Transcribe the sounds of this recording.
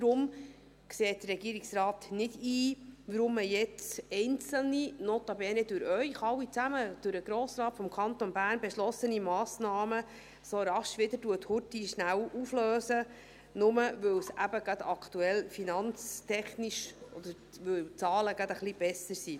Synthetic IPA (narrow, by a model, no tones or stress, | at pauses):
d̥̪ɾʊm | kseːt̚d̥̪ərːɛɡiːəɾiksɾɑːt̪nɪdiːʋəɾʊməjɛt͡sɛɪnt͡sl̩ninoːt̪ɑbɛːnɛd̥ʊɾœʏχɑwit͡sæməd̥ʊɾəɡ̥ɾoːsɾɑːt̪fɔmkʰɑnt̪onbæːɾnbɛʃlɔsənimɑːsnɑːmə | soɾɑʃʋɪd̪əɾduəthʊɾtiʃnæwufløːsə | nʊməʋɵwsæbəɡ̥ɑd̪ɑkt̪uɛlfinɑnt͡stʰɛχniʃɔd̪əɾ | ʋɵwt͡sɑːləɡɑd̪əχlib̥ɛsəɾsi